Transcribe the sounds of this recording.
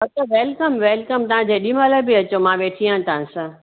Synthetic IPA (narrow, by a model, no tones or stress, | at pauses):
ɐt̪əʋeːlkəmʋeːlkəmt̪ɐʋãd͡ʑeːɗimaləbɪɐt͡ɕomãːʋeːʈʰijãt̪ɐɦãsã